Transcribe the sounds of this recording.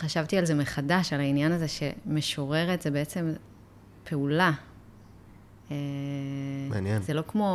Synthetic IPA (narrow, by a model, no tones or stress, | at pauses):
χaʃavt̪ialze̞meχadaʃalainjanazeʃe̞me̞ʃo̞ʁe̞ʁet̪zebeet͡se̞m | pʰe̞ula | e | mːnjɛnzelo̞kmo̞